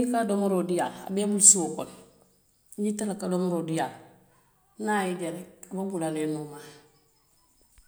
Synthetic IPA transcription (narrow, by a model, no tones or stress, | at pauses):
kadomoɾodijala̰beabulsukon | ɟitalakadomuɾodijal | najiɟaɾeababulalenuma